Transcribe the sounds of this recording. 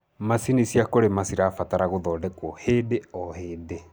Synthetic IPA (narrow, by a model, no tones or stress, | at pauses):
masinisiakoɾemasiɾaːfataɾaɣoðɔːdɛkwɔheːdeɔheːde